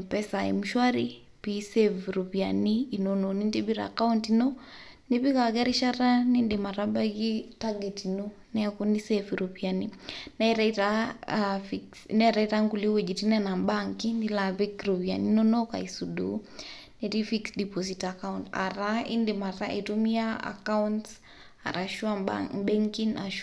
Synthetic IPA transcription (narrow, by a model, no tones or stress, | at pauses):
pɛsaɛ̰muʃwaɾi | pisɛviɾɔpianiːnɔnɔnindibiɾa̰kauntinɔnipikakɛɾiʃaɾanindimaɾabaɣitaɡɛtinɔ | nɛakunisɛfiɾɔβianinɛɾaita | fiksnɛɾaitaŋɡuliwɛd͡ʒitinɛnambaŋkinilaβikɾɔβia̰ninɔnɔka̰isudu | nɛɾifiksdipɔs̬itakaunta̰ɾaindimaɾaʔitumiaa̰kaunts | a̰ɾʔaʃuaba̰bɛŋkina̰ʃ